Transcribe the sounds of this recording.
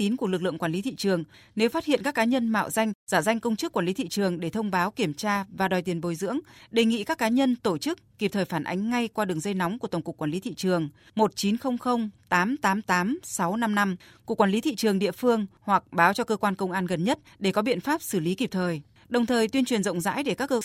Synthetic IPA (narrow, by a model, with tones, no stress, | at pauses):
t̪i˨˦nku˧˩əlɨ˨˩k̚lɨ̰˧˨ə˨ŋkwaː˧˩li˨˦t̪ʰḭ˧˨t͡ɕɨ˨˩əŋ | ne˨˦wfa˦˥t̚hḭ˧˨ənkaː˦˥kːaː˨˦ɲə˧nma̰ː˧˨wza˧jŋ̟zaː˧˩za˧jŋkə˧wŋ͡mt͡ɕɨ˦˥k̚ːwaː˧˩nli˨˦t̪ʰḭ˧˨t͡ɕɨ˨˩əŋɗe˧˩t̪ʰə˧wŋ͡mɓaː˨˦wki˧˩əmt͡ɕaː˧vaː˨˩ɗɔ˨˩jt̪i˨˩ənɓo˨˦jzɨ̰˧˥əŋɗe˨˩ŋḭ˧˨kaː˦˥kːaː˨˦ɲə˧nt̪o˧˩t͡ɕɨ˦˥k̚ːi˨˩p̚t̪ʰəː˨˩jfaː˧˩nʔa̰˨˦jŋ̟ŋa˧jkwaː˧ɗɨ˨˩əŋzə˧jna˨˦wŋ͡mku˧˩ət̪ə˨˩ŋ͡mkkwːnli˨˦t̪ʰḭ˧˨t͡ɕɨ˨˩əŋ | mo˨˩t̚t͡ɕi˨˦nxə˧wŋ͡mxə˧wŋ͡mt̪aː˨˦mt̪aː˨˦mt̪aː˨˦msa˨˦wna˧mna˧mku˨˩kwaː˧˩li˨˦t̪ʰḭ˧˨t͡ɕɨ˨˩əŋɗḭ˧˨əfɨ˧əŋhwa˨˩k̚ɓaː˨˦wt͡ɕɔ˧kəː˧kwaː˧nkə˧wŋ͡mʔaː˧nɣə˨˩nɲə˦˥t̚ɗe˧˩kɔ˨˦ɓḭ˧˨ənfaː˦˥p̚sɨ˧˩li˨˦ki˨˩p̚t̪ʰəː˨˩j | ɗə˨˩wŋ͡mt̪ʰəː˨˩jt̪wi˧ənt͡ɕwi˨˩ənzə̰˧˨ŋ͡mza̰ː˧˥jɗe˧˩kaː˦˥kːəː˧